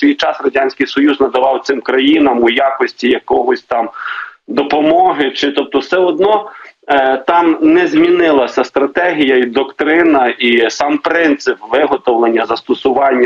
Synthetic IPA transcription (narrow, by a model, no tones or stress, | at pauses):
sʲʋʲijt͡ʃɑsrɔdʲanʲsʲkɪjsɔjuznɐd̪ɐʋɑwt̪sɪmkɾɐjinɐmujakɔsʲtʲijɐkɔɦɔsʲt̪ɑmd̪ɔpɔmɔɦɪt͡ʃɪt̪ɔp̚t̪ɔwsɛɔd̪nɔ | t̪ɑmnɛzʲmʲinɪlˠɐsʲɐst̪ɾɐt̪ɛɦʲijɐid̪ɔkt̪ɾɪnɐisɑmpɾɪnt̪sɪpʋɪɦɔt̪ɔwlˠenʲːɐzɐst̪ɔsʊʋɑnʲːɐ